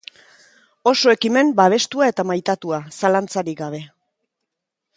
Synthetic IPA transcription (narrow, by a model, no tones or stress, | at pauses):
o̞so̞e̞kime̞mbaβ̞e̞st̪uae̞t̪amajt̪at̪uasalant͡saɾiɡaβ̞e̞